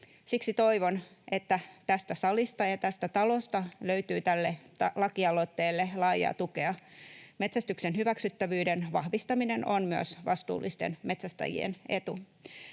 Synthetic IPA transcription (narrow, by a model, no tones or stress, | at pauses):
siksit̪o̞iʋo̞nʔet̪ːæt̪æst̪æsɑlist̪ɑjɑt̪æst̪æt̪ɑlo̞st̪ɑløyt̪yːt̪ælːet̪ɑlɑkiɑlot̪ːeːlːelɑːjɑ̰ːt̪ukeɑme̞t̪sæst̪yksenhyʋæksyt̪ːæʋyːdenʋɑhʋist̪ɑminenonmyø̰sʋɑst̪ṵːlːist̪enme̞t̪sæst̪ɑ̰jḭḛne̞t̪u